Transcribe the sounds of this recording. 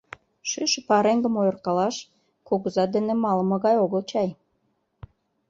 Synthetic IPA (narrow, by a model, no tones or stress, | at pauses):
ʃyʃə̆pɑɾeŋɡə̆mojərkɑlɑʃ | koɣəzɑd̪enemɑləməɣɑjoɣəlt͡ɕɑj